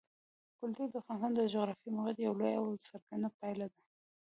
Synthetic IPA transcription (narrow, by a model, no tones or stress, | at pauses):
kʊlt̪uɾd̪əfɑnsand̪əd͡ʒoɣɾɑfimʊɣad̪jawlojawsaɾkanapajlad̪a